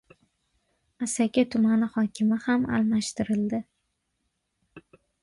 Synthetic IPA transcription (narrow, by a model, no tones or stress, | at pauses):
asakʲat̪ʰʊmanɪhɒkʲʰɪmɪhama̰lˠmaʃt̪ʰɪɾɪld̪ɪ